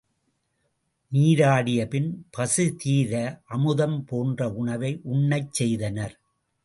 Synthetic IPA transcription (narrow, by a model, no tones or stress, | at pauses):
niːɾaːɽɪjɐpɪnpɐsɯt̪iːɾɐʔɐmɯðɐmpoːndrɐʊɳɐʋɐɪʔʊɳːɐɪt͡ʃːɛjðɐnɐɾ